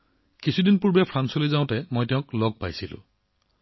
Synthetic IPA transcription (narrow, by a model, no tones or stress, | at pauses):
kisʰudinpuɹbapʰɹansɔlojzaʊ̃tɛmojtɛʊ̃klɔɡ̚pajsilʊ̰̃